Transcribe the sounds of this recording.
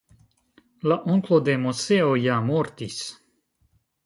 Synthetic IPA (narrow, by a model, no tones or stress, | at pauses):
laʔoŋklod̪emoseojamoɾt̪is